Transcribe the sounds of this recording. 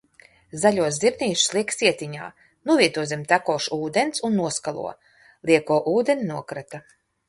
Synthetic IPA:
zaʎʲuɔzziɾnʲiːʃslˠiksiɛt̪ʲiɲa̰ː | nuɔviɛt̪uɔzʲimt̪akɔːʃuːd̪ensunːuɔskalˠṵɔ | lˠiɛkɔʔuːd̪enʲinuɔkɾat̪a

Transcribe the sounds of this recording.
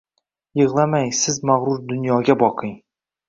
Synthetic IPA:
jɨʁlˠamajsɪzmaʁɾʊɾd̪ʊnjɒɡʲabɒqʰɨŋ

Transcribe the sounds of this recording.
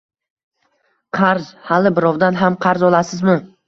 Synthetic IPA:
qʰɑɾz̥halɪbɪɾɒwd̪anɦamqʰɑɾzɒlˠasɪzmɪ

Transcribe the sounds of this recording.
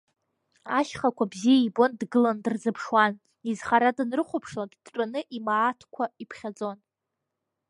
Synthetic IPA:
aʃχakʷʰabzijaibo̞ndɡɨlandɨrzɨpʰʂwan | izχaɾadɨnrɨχʷʊpʰʂlaɡʲdt͡ʃʷʼanɨʔimaːtʰkʷʰaipʰχʲad͡zʼo̞n

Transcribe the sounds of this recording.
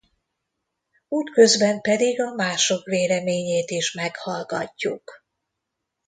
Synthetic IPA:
uːt̪kø̞zbɛmpɛd̪iɡɒmaːʃo̞kveːlɛmeːɲeːt̪iʃmɛkhɒlɡɒcːuk

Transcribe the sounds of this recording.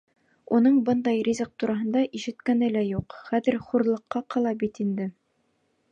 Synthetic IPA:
unɤɴbɤnd̪ɑjrʲizɤq̚t̪uɾʔɑɦɤ̆nd̪ɑʔiʃɘ̆t̪kænɘlæjuqχæðɘɾχuɾlˠɤ̆qːɑqɑlˠɑbit̪ind̪ɘ

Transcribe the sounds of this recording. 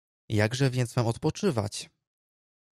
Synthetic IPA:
jaɡʐɛvʲjɛnt̪smamɔt̪pɔt͡ʂɘva̰t͡ɕ

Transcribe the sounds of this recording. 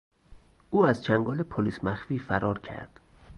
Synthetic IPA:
uːæzt͡ʃʰæŋɡɒːlepʰoliːsmæxfiːfæɾʔɒːɾcʰæ̰ɾd̪̥

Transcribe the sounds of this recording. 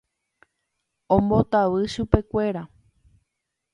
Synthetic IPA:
õmbo̞t̪aʋɨʃupe̞kʷe̞ɾa

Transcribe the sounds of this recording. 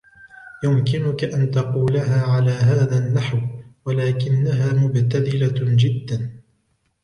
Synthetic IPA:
jʊmkɪnʊkaʔant̪ɑquːlaɦaːʕalaːɦaːðanːaħwwalaːkɪnːaɦaːmʊbt̪aθɪlad͡ʒɪd̪ːan

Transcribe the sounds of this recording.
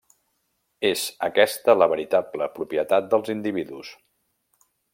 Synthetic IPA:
ez̥əkɛst̪ələβəɾit̪abləpɾupijət̪at̪̚d̪əlˠzind̪iβiðus

